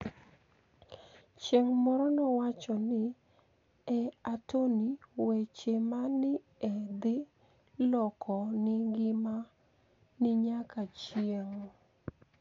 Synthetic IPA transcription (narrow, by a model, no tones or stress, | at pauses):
t͡ʃeŋmɔɾɔnɔwat͡ʃɔnɪ | ɛatoniwet͡ʃemanɪ | ɛd̪ɪ | lɔkʰɔnɪɡɪma | nɪɲakat͡ʃjeŋ